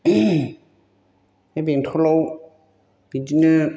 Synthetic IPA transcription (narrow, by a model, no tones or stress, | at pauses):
ɛbentʰɔlow | b̥idinɯ